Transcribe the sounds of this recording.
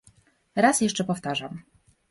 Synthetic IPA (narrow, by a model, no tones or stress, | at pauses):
ɾasjɛʂt͡ʂɛpɔft̪aʐam